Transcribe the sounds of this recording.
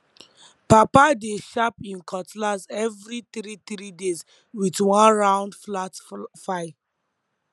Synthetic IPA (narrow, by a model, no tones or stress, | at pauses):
papadeʃapĩnkʰɔtlazɛvɹit̪ɾit̪ɾidez | witwãnɹãʊ̃ndflatfaɪ